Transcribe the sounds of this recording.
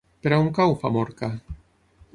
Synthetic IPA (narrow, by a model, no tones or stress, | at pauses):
peɾauŋkawfamoɾka